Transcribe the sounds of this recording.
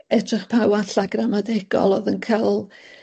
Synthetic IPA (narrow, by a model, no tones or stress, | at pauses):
ɛdrɪχpʰawaɬaɡramadɛɡ̥ɔ̰lˠɔðənkʰəlˠ